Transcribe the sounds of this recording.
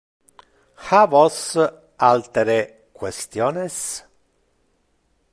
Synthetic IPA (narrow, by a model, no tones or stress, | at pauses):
xavɔs | alt̪eɾe | kwest̪jɔːnes